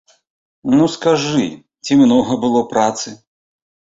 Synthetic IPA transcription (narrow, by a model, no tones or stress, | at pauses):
nuskaʐɨ | t͡sʲimnɔɣɐbɨlˠɔpɾat̪sɨ